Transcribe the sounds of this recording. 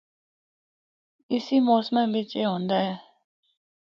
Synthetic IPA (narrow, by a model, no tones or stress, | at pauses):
ɪsimoːsmɛ̃bʱet͡ʃeɦõːnd̪aɦɛː